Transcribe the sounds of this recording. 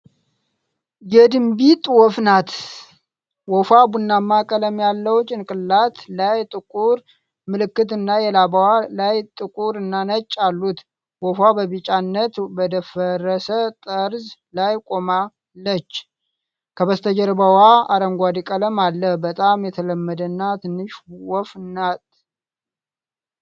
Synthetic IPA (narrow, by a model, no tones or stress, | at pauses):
jɛd̪ɨmbit̪ʼwɔfnat̪ | wɔfabunːamːakʼələmjalːəwt͡ʃʼɪnkʼɨlːat̪lajt̪ʼɨkʼuɾ | mɨlɨkːɨt̪ɨnːajɛlabawalajt̪ʼɨkʼuɾɨnːanət͡ʃʼːalːut̪ | wɔfabəβɨt͡ʃʼanːət̪bəd̪əfərəsət̪ʼəɾzlajkʼo̞ma | lːət͡ʃː | kʰəβəst̪ʰəd͡ʒəɾbəwaaɾəŋɡʷad̪ikʼələmalːəhbət̪ʼamjɛt̪ʰələmːəd̪ənːat̪ʰɨnːɨʃwɔfnːat̪